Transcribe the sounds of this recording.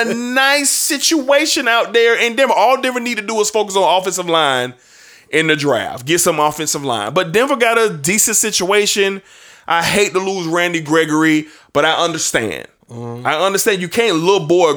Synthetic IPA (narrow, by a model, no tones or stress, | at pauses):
ɨnaɪsɪt͡ʃueɪʃɨ̃naʊt̪̚ðə˞ɨ̃ndɛ̃mvə˞ɔlˠdɛvə̃nid̚tʰɨdəːz̥foʊkəsn̩ɔfɨ̃nsʌvlãɪ̃n | ʔɪ̃nðɨdɹæ̰ftɡ̥ɪtsʌ̃mɔfɨ̃nsʌvlã̰ɪ̃nbʌt̚d̥ɛ̃ɱvə˞ɡɑɾɨdisɨ̃ntsɪt͡ʃueɪʃɨ̃n | ʔaɪheɪt̚əluzɹæ̃ndiɡɹɛɡə˞i | b̥ʌɾaɪʔʌ̃ndə˞stæ̰̃nd̥aɪʌ̃ndə˞stæ̃njɨkʰæ̃nlʊvbɔɹ